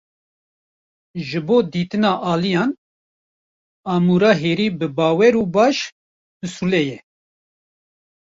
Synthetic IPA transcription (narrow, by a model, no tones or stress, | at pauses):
ʒɨboːd̪iːt̪ɨnɑːʔɑːlijɑːn | ɑːmuːɾɑːɦeːɾiːbɨbɑːwɛɾuːbɑːʃ | bɨsulɛjɛ